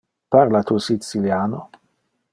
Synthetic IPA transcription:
paɾlat̪uːsit̪siljaːno

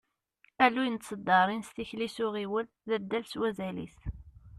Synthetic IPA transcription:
ælːujənt̪səd̪ːɑɾˤinst̪içlisʊʁiwəl | ðæd̪ːælswæzælḭθ

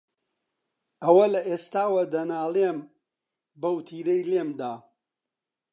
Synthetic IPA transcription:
ɐwɐlɐʔeːst̪aːwɐd̪ɐnaːlem | bɐwt̪ʰiːɾɐjlemd̪aː

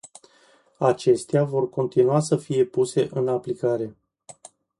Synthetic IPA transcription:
at͡ʃe̞st̪eavo̞rko̞nt̪inuasəfije̞puse̞ʔɨnaplikaɾe̞

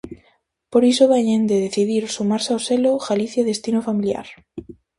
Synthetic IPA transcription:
poɾisoβeɲẽnd̪eðeθiðiɾsumaɾsawseloɣaliθjaðest̪inofamilja̰ɾ

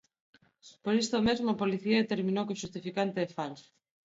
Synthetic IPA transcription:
poɾist̪omezmoapoliθiaðet̪eɾmĩnowkoʃust̪ifikant̪eðefals

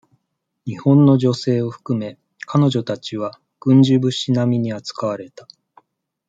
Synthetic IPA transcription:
ɲ̟ihõ̞nːo̞ʑo̞se̞ːo̞ɸɯ̟̥kɯ̟me̞ | kano̞ʑo̞t̪at͡ɕiβ̞a | ɡ̥ɯ̟̃ɲ̟d͡ʑɨbɯ̟ɕinamʲiɲ̟iat͡sɨ̥kaβ̞aɾe̞t̪a

